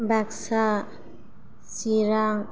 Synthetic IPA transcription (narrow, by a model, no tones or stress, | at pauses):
baksa | siɾaŋ